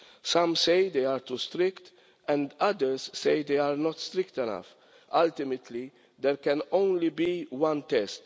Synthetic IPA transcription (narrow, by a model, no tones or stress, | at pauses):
sʌ̃msejd̪ejaɾt̪ust̪ɾɪkt̪ | ɛ̃nd̪ɐd̪ɛɾsːejd̪ejaɾnɔt̪st̪ɾɪkt̪ɛnɐ̰f | ɐlt̪ɪmɛt̪ʰli | d̪ɛɾkɛ̃nõwnlibiwɐ̃nt̪ɛst̪